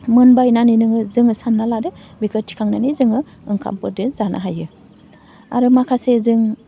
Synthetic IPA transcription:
mɯnbajnaninɯŋɯzɯŋɯsanːaladɯbikʰɯtʰi̥kʰaŋnanizɯŋɯ | ɯŋkʰa̰mpɯɾdezanʔa̰ɦajɯ | a̰ɾɯmakʰasezɯŋ

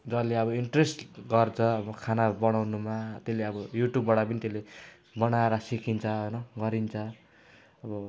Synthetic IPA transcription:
d͡zʌleʌβʌiɳʈresʈɡʌrt͡sʰʌːbʌkʰanabʌɽ̃awnumat̪eleʌbʌjuʈjubːaɽapʌnit̪ele | bʌɽ̃aeɾʌsikʰint͡sʰʌɦojnʌɡʌɾint͡sʰʌ | ʌbʌ

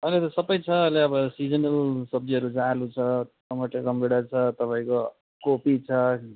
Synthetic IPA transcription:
ʌlet̪ʌsʌbʌjt͡sʰʌːleʌbʌsid͡zʌnʌlsʌb̚d͡ziʌɾud͡zaalut͡sʰʌ | ʌmʌʈekʌmbiɽat͡sʰʌt̪ʌpaĩko | kopit͡sʰʌ

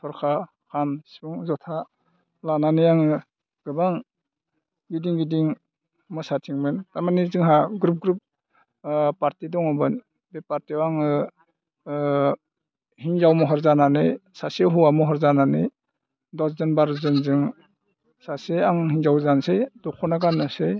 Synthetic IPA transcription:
tʰɔɾkʰa | hʰansi̥buŋzɔtʰa | lananijaŋɯ | ɡ̥ɯbaŋ | ɡidiŋɡidiŋ | mɔsatʰiŋmɯntamanizɯŋɦaɡɾup̚ɡɾup̚ | paɾtidɔŋɔbɯn | bepaɾtiwaŋɯ | hiŋzawmɔɦɔɾzananɯjsaseɦuamɔɦɔɾzananɯ | dɔszɯnbaɾzɯnzɯŋ | saseaŋɦiŋzawzansejdɔkʰɔnaɡanɯsej

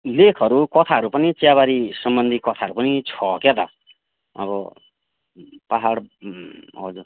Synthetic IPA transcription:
lekʰʌɾukʌt̪ʰaɦʌɾupʌnit͡sjaβaɾisʌmbʌnd̪ʱikʌt̪ʰaʌɾupʌnit͡sʰʌket̪ʌ̰ | ʌ̰βʌ | paɦaɽ | ɦʌ̰d͡zuɾ

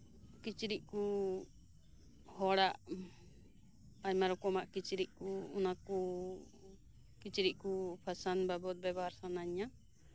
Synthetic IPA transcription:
kit͡ʃɾiʔ̚ku | hɔɽaʔ | aɲmaɾɔkɔmaʔkit͡ʃɾiʔ̚kuunaku | kit͡ʃɾiʔ̚kupʰasanbabɔt̪̚bɛbɔɦaɾsanaɲa

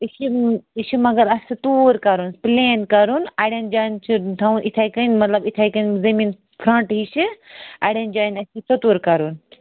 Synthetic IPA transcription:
iʃiiʃimɐɡɐɾɐsit̪uːɾkɐɾunpleːnkɐɾunaɽʲɐnd͡ʒaːnt͡ʃʰit̪ʰaũnʔit̪ʰajkɐnʲmɐt̪lɐbit̪ʰajkɐnzɐmiːn | pʰɾɐ̃ɳʈɦiʃiaɽʲɐnd͡ʒaːnʲɐsisɐt̪uːɾkɐɾun

